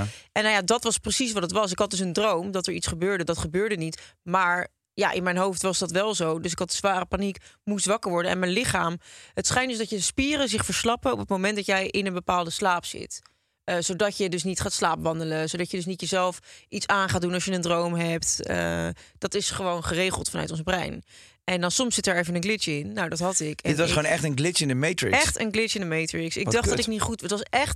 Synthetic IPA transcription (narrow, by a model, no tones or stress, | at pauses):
ʔɛnajadɑtʋɑsprəsis̬ʋɑdɑtʋɑs̬ɪkɦɑt̚dʏs̬əndrowmdɑtəɹitsχəbøːɹdədɑtχəbøːɹdənitmaːɹ | ja̰ːʔɪ̰nmɛjnɦowftʋɑzdɑtʋɛlˠzowdɵs̬ɪkɦɑt̚dəzʋaːrəpanikmusʋɑkəɹʋɔɹdənɛ̰nmɛnlɪχaːmɦətsχɛjntdøsdɑtjəspiːrəzɪχfəɹslɑpənɔ̰pətmowmɛntdɑtjɛjʔɪnənbəpaːlˠdəslaːpsɪ̰t | əzowdɑcjədɵsnitχaːtslaːpʋɑndələzowdɑcjədɵsnitjəzɛlˠfʔitsaːnχaːt̚dunɑʃjəəndrowmɦɛp̚tə̰d̥ɑtɪsχəʋownχərejχəlˠtfɑnœ̰ɥtɔnzbrɛ̰jn | ʔɛndɑnsɔmsːɪtəɹejvənənɡlɪtəɪnːawdɑtɦɑtɪkɛdɪtʋsχonɛχtənɡlɪɪndəmejtɹɪ̰ɛχtə̰nɡlɪɪndəmejtɹɪksɪɡdɑχddɑtɪknitχutətʋɑsɛχt